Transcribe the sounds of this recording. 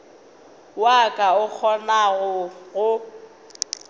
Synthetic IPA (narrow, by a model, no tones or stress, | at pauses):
wakʼaʊk͡xʰɔnaɣʊɣʊ